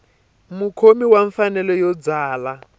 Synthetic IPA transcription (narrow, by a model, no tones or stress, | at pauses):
mukʰomiwaɱfanɛlɔjɔd͡zaːla